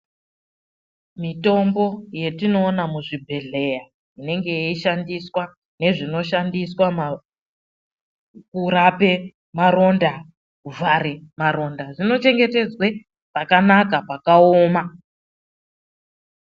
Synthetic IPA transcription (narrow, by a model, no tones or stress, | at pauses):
mito̞mbo̞je̞tino̞ːnamuʐibʱe̞ɮe̞ja | ine̞ŋɡe̞eiʃandiswa | ne̞ʐino̞ʃandiswama | kuɾape̞ | maɾo̞nda | kuvʱaɾemaɾo̞ndaʐino̞t͡ʃe̞ŋɡe̞te̞d͡zwe | pakanakapakaoːma